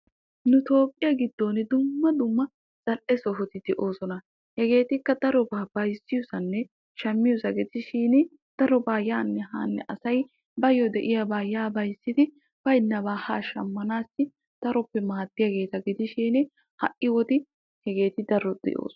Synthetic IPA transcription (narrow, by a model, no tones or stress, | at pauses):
nʊt̪o̞ːpʼːɪjɐɡɪd̪ːoːnɪd̪ʊmːɐd̪ʊmːɐ | t͡sʼɐlʔɛsɔɦɔt̪ɪd̪̥ɛʔo̞ːsɔnɐ | hɛɡe̞ːt̪ɪkːɐd̪ɐɾɔbaːbɐjsːɪjʊsɐnːɛ | ʃɐmːɪjʊsɐɡɪt̪ɪʃiːnɪ | d̪̥ɐɾɔbaːjaːnːɛɦa̰ːnːɛ̰ʔɐsɐj | bɐjɔd̪ɛʔɪjabaːjaːbɐjsːɪt̪ɪ | b̥ɐjnːɐbaːhaːʃɐmːɐnaːsːɪ | d̪̥ɐɾɔpːɛmaːt̪ːɪjaɡe̞ːt̪ɐɡɪd̪ɪʃiːnɪ | hɐ̰ʔɪwɔt̪ɪ | hɛɡe̞ːt̪ɪd̪ɐɾɔd̪̥ɛ̰ʔo̰ːsɔ